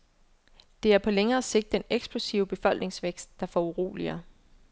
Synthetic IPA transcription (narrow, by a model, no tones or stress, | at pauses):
d̥e̝æɐpʰɒ̽leŋɐːse̝ɡ̥̚d̥ːeneɡ̥sb̥losiʊb̥e̝fɒ̽l̰ɡ̥ne̝ŋsʋeɡ̥sd̥̚ːɑ̈fɒuʁo̰ːliɐː